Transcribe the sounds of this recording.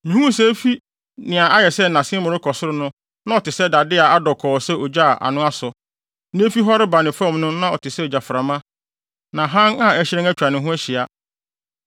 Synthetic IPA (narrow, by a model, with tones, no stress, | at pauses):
mĩ˨hũ˦sɛ˦fi˦ | nɪ̃˨a˨ʔa˦jɛ˨sɛ˦nã˨sɪ̃˦mʊ̃˨ɾʊ˦kʰɔ˨sʊ˦ɾʊ˦nʊ̃˦ | nã˦ɔ˨tɪ˨sɛ˦da˨dɪ˦a˨a˦dɔ˨kʰɔː˨sɛ˦ʔɔ˨d͡ʑa˦˨ʔa̰˨nʊ̃˦a˦sʊ˨ | nɪ̃˦fi˦ɦɔ˦ɾɪ˦ba˨nɪ̃˨fɔ̃˦˨mnʊ̃˦nã˦ɔ˨tʰɪ˨sɛ˦ɔ˨d͡ʑa˨fɾa˨mã˦ | nã˨ɦã˦ŋa˦ɛ˦ɕɪ˦ɾɪ̃˦ŋæ˦t͡ɕᶣɾa˨nɪ̃˨ɦʊ̃˦æ˦ɕɪ˨a˦